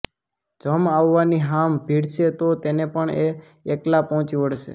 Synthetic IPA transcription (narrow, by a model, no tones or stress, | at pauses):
d͡ʒəmaʋːaniɦambʱiɽʃet̪ot̪enepəɳeː | klapɔɦɔ̃t͡ʃiʋəɽʃḛ